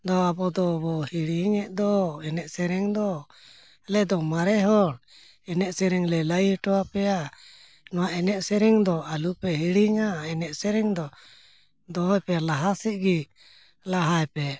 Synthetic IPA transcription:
d̪ɔabɔd̪ɔbɔhiɽiŋɛʔd̪ɔɛnɛʔsɛɾɛŋd̪ɔ | lɛd̪ɔmaɾɛɦɔɽ | ɛnɛʔsɛɾɛŋlɛlajihʈɔapɛja | nɔwaʔɛnɛʔsɛɾɛŋd̪ɔalupɛhiɽiŋaɛnɛʔsɛɾɛŋd̪ɔ | d̪ɔɦɔjpɛlaɦasiʔ̚ɡi | laɦajpɛ

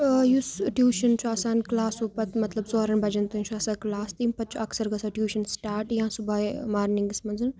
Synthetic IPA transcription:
jusʈjuːʃɐnt͡ʃʰuaːsaːnklaːsuːpɐt̪mɐt̪lɐbsoːɾɐnbʱɐd͡ʒɐnt̪ɐnt͡ʃʰuɐsaklaːst̪impɐt̪̚t͡ʃʰuɐksɐɾɡɐsɐʈjuːʃɐnsʈaːɾʈjãsubaːemaːɾnĩŋɡismɐnzɐn

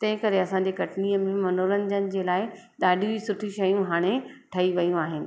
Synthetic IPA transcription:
t̪ɐ̃ɦɪ̃kɐɾeɐsãɲd͡ʑekɐʈniːəmẽmɐnoːləɲd͡ʑənɪ̆d͡ʑeːlaːɪ | ɗ̪aːɖʱĩd͡ʑisʊʈʰiʃɐjũɦaːɽ̃eʈʰɐiʋɐjũaːɦɪnɪ̆

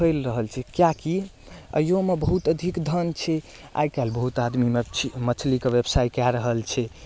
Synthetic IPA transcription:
əlɾəɦəlt͡ʃʰɛkjaki | ə̰jomebəɦut̪əd̪ʱikd̪ʱənt͡ʃʰɛ | a̰jkɛlbəɦut̪ad̪mimemət͡ʃʰlikeʋebsajkɛɾəɦəlt͡ʃʰɛ

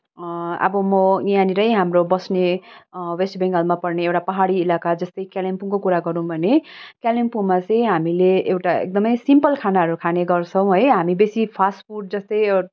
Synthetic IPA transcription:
ʌ̰bʌmʌijaniɾʌjɦamrobʌsne | wesʈbʱeŋɡʌlmapʌrneewʈapʌɦaɽiːlakad͡zʌst̪ʌjkjalempuŋkokuɾaɡʌɾũbʱʌnekjalempuŋmat͡sʌj̃ɦamileewʈaḛk̚d̪ʌmʌjsimpʌlkʰanaɦʌɾukʰaneɡʌrt͡sʰʌ̃w̃ɦʌjɦamibesipʰasʈpʰurʈ̚d͡zʌst̪ʌj

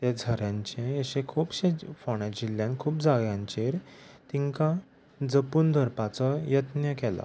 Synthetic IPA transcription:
t̪ɛd͡zʱəɾjãɲt͡ɕẽəɕẽkʰuːpɕẽfɔɽ̃ãd͡ʑilːjãnkʰuːpd͡zaɡjãɲt͡ɕeɾt̪iŋkã | d͡zəpuːnd̪ʱəɾpat͡sɔjət̪njəkɛla̰

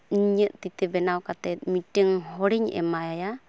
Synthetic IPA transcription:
iɲəʔt̪it̪ɛbɛnawkat̪ɛt̪̚miʈəŋɦɔɾiɲɛ̰majaja

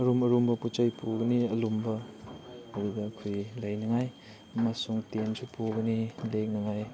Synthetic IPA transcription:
ɐɾumɐɾumbɐput͡ʃajpʰuɡɐniɐlumbɐ | ɐwidɐkʰujlɐjnɐŋaj | mɐsuŋtensupʰuɡɐnilek̚nɐŋaj

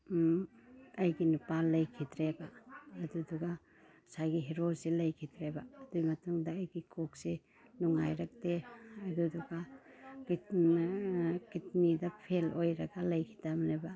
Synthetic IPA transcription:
ɐjɡinupalɐjkʰidɾebaɐduduɡa | sajɡiɦeɾosilɐjkʰidɾebaːdujmɐtuŋdaːjɡikʰok̚si | nuŋa̰jɾak̚deɐduduɡaki | kitnidapʰelojɾaɡalɐjkʰi̥tamneba

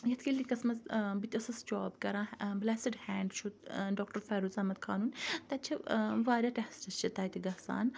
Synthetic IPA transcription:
jɐt̪ʰkilikɐsmɐzbit̪ʲɐsɐst͡ʃɔːbkɐɾãːblɛːsiɖhɛːɳɖt͡ʃʰut̪ɖɔːk̚ʈɐɾfɛːɾuːzɐmɐt̪̚kʰaːnuːnt̪ɐt͡ʃʰiʋaːɾʲaʈɛhsʈɐst͡ʃʰit̪ɐːt̪iɡɐsa̰ːn

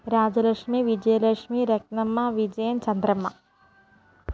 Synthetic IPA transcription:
ɾaːd͡ʑɐlɐkʂmiʋid͡ʑɐjɐlɐkʂmiɾɐk̚nɐmːɐʋid͡ʒɐjɐnt͡ʃɐnd̪ɾɐmːɐ

